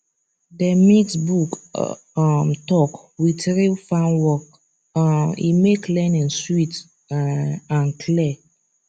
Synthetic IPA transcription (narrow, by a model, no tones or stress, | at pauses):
dəmiksbuk | mtɔkwitɹifãnwɔk | ḭmeklɛ̃nĩnswit | ãnkʰlɛ